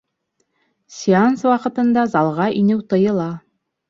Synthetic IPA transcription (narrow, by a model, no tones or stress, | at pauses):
sʲianswɑqɤ̆t̪ɤ̆nd̪ɑzɑlˠʁɑʔinɘwt̪ɤ̆jɤ̆lˠɑ